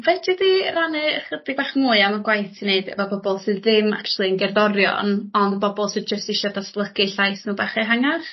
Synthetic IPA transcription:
vɛd͡ʒɪdiranɛχədɪɡ̚baːχmuːɨamaɡwajθineɨdə̰vɔbɔbɔlˠsɨððɪma̰kʰt͡ʃʰulˠiənɡɛrðɔɾjɔ̰nɔndəbɔbɔlˠsɨd͡ʒəstɪʃɔdasblˠəkɨɬajsnuːbaχɛɦaŋaχ

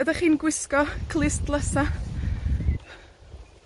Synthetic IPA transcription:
ədaχiːnɡwɪskɔkʰlˠɪsdlˠəsa

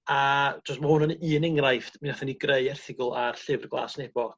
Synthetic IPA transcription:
ḁɔstmahʊnhɔniɨːnɪŋrajftminaθɛniɡrejɛrθɪɡʊlˠarɬɪvrɡlˠa̰ːsnɛb̥ɔ

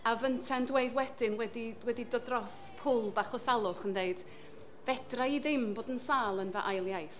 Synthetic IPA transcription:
avəntʰandweɨdwɛdɪnwɛdiwɛdidɔdrɔspʰʊːlˠbaχɔsalˠʊχəndeɨd̥ | vɛd̥raiðɪmboːdənsaːlˠənvəʔajlˠjajθ

